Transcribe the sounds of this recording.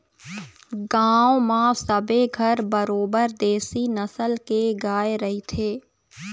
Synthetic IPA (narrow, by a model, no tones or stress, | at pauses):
ɡaːwmãːsəbeɡʱəɾbəɾoːbəɾd̪eːsinɐsəlkeɡaːeɾɐɦit̪ʰeː